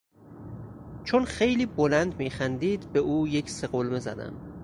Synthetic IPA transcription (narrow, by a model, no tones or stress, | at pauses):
t͡ʃʰonxejliːbolænd̪miːxænd̪iːd̪beʔuːje̞cʰseɣolme̞zæ̰d̪æ̰m